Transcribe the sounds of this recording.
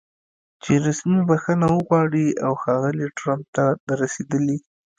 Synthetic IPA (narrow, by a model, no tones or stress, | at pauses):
t͡ʃeɾasmibaxənawəɣwɑɽiawxɑɣəliʈɾamp̚t̪ad̪aɾased̪əli